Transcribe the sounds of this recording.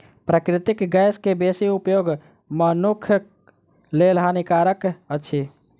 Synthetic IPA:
pɾəkɾɪt̪ɪkɡəjskebeːsiupjoːɡ | mənukʰj | lelɦanikaːɾəkəːʃʰi

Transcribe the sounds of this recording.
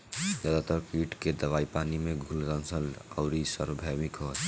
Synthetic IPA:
d͡ʒəd̪at̪əɾkiʈked̪əβaːipaːnimẽɡʱulɡənsəla̰ʊɾisəɾbʱamikɦo

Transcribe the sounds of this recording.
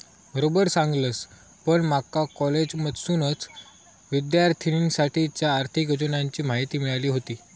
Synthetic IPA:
bəɾobəɾsãŋɡləs | pəɳmakakɔled͡ʑmət̪suːnət͡s | ʋid̪jaɾt̪ʰiinsaʈʰit͡ɕjaːɾt̪ʰikəd͡ʑənaɲt͡ɕiːmaɦit̪iːmiɭaliːɦot̪iː

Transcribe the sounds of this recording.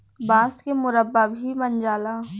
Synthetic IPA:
baːskemʊɾəbːabʱimɐnd͡ʒaːlaː

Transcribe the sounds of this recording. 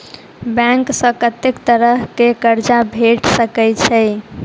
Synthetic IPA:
bɛ̃ŋksə̃kət̪ekt̪əɾəɦkekəɾd͡ʒabʱeʈsəkɛjt͡ʃʰɛ

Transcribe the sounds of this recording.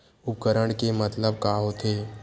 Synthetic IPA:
ʊp̚kəɾəɽ̃kemət̪ləb̚kaːɦot̪ʰeː

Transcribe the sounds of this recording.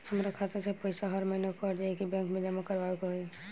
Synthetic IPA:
həmɾakʰat̪esepəɪsaɦəɾməɦɪnokːɾd͡ʒaekibɛ̃ːŋkmẽd͡ʒəmakəɾʋaekoɦe

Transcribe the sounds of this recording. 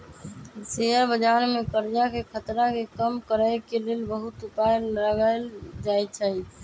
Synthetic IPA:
seɦəɾbəd͡ʒaɾmekəɾd͡ʒakekʰət̪ɾakekəmkəɾəɪkelelbəɦut̪upajlɾəɡəld͡ʒajt͡ʃʰəi

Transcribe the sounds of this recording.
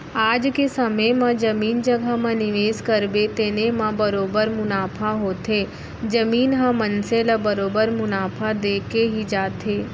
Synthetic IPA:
aːd͡ʒkesɐməjmãd͡ʒɐmiːnd͡ʒəɡʱamãnɪʋeːskɐɾbet̪eːnemãbɐɾoːbəɾmʊnaːpʰaɦoːt̪eː | d͡ʒɐmiːnɦãmɐnselabɐɾoːbəɾmʊnaːpʰad̪eːkeɦid͡ʒaːt̪eː

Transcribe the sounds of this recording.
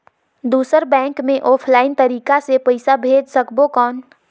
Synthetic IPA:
d̪uːsəɾbɛ̃ːŋkmẽʔɔːpʰlaːɪnt̪əɾiːkasepəɪsabʱed͡ʒsəkbokɔːn

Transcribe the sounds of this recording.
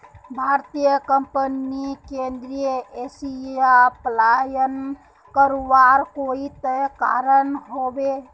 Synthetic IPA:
bʱaɾt̪ijəkəmpənikend̪ɾijəesiaplajən | kəɾubaɾkoit̪eka̰ɾənɦobe

